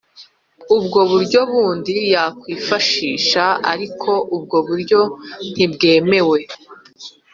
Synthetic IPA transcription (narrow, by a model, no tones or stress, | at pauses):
ubɡo̞βuɾɟo̞βuːndijakwiːfaʃiːʃaa̰ɾikʰo̞ʔubɡo̞βuɾɟo̞n̥ibɡe̞ːme̞we̞